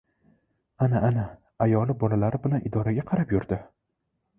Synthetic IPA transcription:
anaʔːna | ajɒlˠɪbɒlalaɾɪbɪlanʔɪd̪ɒɾaɡʲaqʰɑɾapjʊɾd̪ɪ

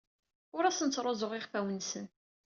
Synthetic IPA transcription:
ʊɾæsənt͡sːɾˤozˤoʁɪχfæwənsən

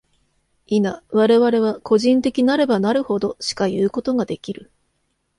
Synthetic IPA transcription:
inaβ̞aɾe̞βaɾe̞β̞ako̞ʑĩnt̪e̞kʲinaɾe̞banaɾɯ̟ho̞d̪o̞ɕi̥kajɯːko̞t̪o̞ŋad̪e̞kʲiɾɯ̟

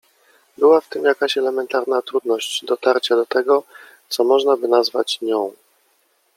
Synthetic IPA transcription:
bɘwaft̪ɘmjakaɕɛlɛmɛnt̪aɾnat̪ɾud̪nɔɕd͡ʑd̪ɔt̪aɾt͡ɕad̪ɔt̪ɛɡɔ | t̪sɔmɔʐnabɘnazva̰t͡ɕɲɔ̃w̃

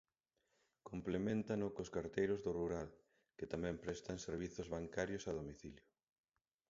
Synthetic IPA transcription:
komplemẽnt̪anʊkoskaɾt̪ejɾʊzðʊruɾal | kɪt̪amɛ̃mpɾɛst̪aŋseɾβ̞iθʊzβaŋkaɾjʊsaðomiθiljʊ

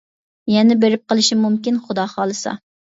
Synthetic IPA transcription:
jɛnɪbeɾɪp̚qəlˠɨʃimumkʲinχʊd̪ɑːχɑːlˠɨsɑ̰

